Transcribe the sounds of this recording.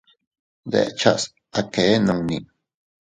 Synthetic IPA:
d̪ḛ˦ʔt͡ʃas | akeː˦no˧ŋnḭŋ

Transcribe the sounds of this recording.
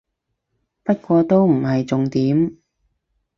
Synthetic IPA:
pɐ˥t̚kʷɔː˧t̪o˥wm̩˨˩hɐ˨jt͡sʊ˨ŋt̪iː˨˥m

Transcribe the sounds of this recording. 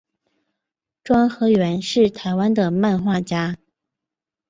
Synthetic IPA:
ʈ͡ʂwɑ˥ŋxɤ˧˥ɥɛ˧˥nʂɻ̩˥˩t̪ʰa˧˥ɪwa˥nd̪ə˨ma˥˧nxwa˥˩t͡ɕja˥

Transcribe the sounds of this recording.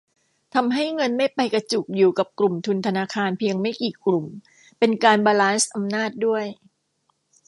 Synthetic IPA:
t̪ʰa˧mɦa˥˩jŋɤ˧nma˥˩jpa˧jka˧t͡ɕu˨˩k̚juː˨˩ka˨˩p̚klu˨˩mt̪ʰu˧nt̪ʰa˧naː˧kʰaː˧npʰi˧əŋma˥˩jkiː˨˩klu˨˩m | pe˧nkaː˧nbaː˧laː˦˥nsʔa˧mnaː˥˩t̪̚du˥˩əj

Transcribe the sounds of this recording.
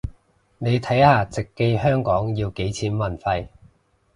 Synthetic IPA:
ne˨˧jt̪ʰɐ˨˥jhaː˨˩t͡sɪ˨kːe˧jhœː˥ŋkɔː˨˥ŋjiː˧wke˨˥jt͡sʰiː˨˥nmɐ˨˩nfɐ˧j

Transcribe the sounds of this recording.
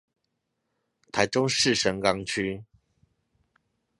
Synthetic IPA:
t̪ʰa˨˦ɪʈ͡ʂʊ˥ŋʂɻ̩˥˨ʂə˧˥ŋkɑ˥ŋt͡ɕʰy˦

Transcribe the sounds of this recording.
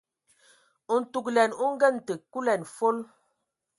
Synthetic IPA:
u˨n̩˨tu˨klɛ˨nu˦ŋ̩˦ɡə˦˨n˨tə˨ku˦lɛ˨nfo˦l

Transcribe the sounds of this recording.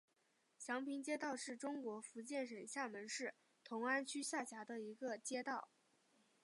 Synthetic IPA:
ɕjɑ˧˥ŋpʰi˧˥ŋt͡ɕjɛ˥t̪ɑ˥˧ʊʂɻ̩˥˩ʈ͡ʂʊ˥ŋkwɔ˧˥fu˧˥t͡ɕjɛ˥˩nʂə˨˩nɕja˥˩mə˧˥nʂɻ̩˥˩ | t̪ʰʊ˧˥ŋa˥nt͡ɕʰy˥ɕja˥˩ɕja˧˥d̪ə˧i˧˥ɡə˧t͡ɕjɛ˥t̪ɑ˥˩ʊ

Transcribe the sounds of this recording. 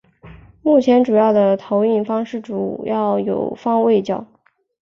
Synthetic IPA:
mu˥˩t͡ɕʰjɛ˧˥nʈ͡ʂu˨˩jɑ˥˩ʊd̪ə˩t̪ʰo˧˥ʊi˥˩nfɑ˥ŋʂɻ̩˥˩ʈ͡ʂu˨˩jɑ˥˩ʊjo̰˨˩ʊfɑ˥ŋwe˥˧ɪt͡ɕjɑ˥˩ʊ

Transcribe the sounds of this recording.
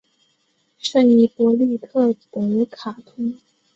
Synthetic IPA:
ʂə˥˩ŋi˧˥pwɔ˧˥li˥˧kʰɤ˥˩t̪ə˨˩ŋə˧˥kʰa˨˩t̪ʰʊ˧˥ŋ

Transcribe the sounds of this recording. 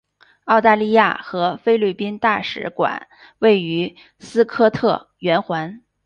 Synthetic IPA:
ɑ˥˧ʊt̪a˥˧li˥˧ja̰˥˩xɤ˧˥fe˥ɪly˥˩pi˥nt̪a˥˩ʂɻ̩̰˧˥kwa̰˨˩˦n | we˥˩ɪy˧˥ | sɹ̩˥kʰɤ˥t̪ʰɤ˥˩ | ɥɛ˧˥nxwa˧˥n

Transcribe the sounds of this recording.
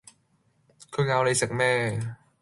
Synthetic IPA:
kʰɤ˨˧ŋaː˧wle˧jse˨˩k̚mɛː˥˩

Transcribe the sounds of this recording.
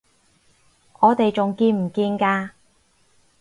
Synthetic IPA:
ʔɔː˨˧t̪e˨jt͡sʊ˨ŋkiː˧nm̩˨˩kiː˧nkaː˧

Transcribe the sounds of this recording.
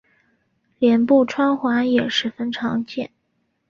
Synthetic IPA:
ljɛ˧˥npu˥˩ʈ͡ʂʰwa˥nxwa˧˥njɛ˨˩ʂɻ̩˧˥fə˥nʈ͡ʂʰɑ˧˥ŋt͡ɕjɛ˥˩n

